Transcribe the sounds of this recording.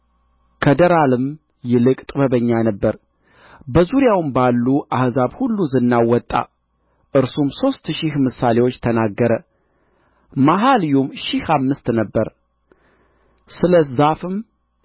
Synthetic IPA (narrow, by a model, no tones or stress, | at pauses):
kʰəd̪əɾalɨm | jɛlɨkʼt̪ʼbəβəɲːanəbːəɾ | bəzuɾjawɨmbalːuʔahzaβhulːuzɨnːawɔt̪ʼːa̰ | ʔɨɾsumso̞st̪ʃɪhmɨsale̞wot͡ʃːt̪ʰənaɡːəɾə | maɦaljumʃɪhamːɨst̪nəbːəɾ | sɨləzafɨm